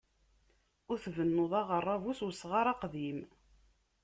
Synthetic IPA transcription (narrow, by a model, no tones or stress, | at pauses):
ʊɾθvənːoðˤɑʁərˤːɑvuswəsːʁaɾˤɑqðim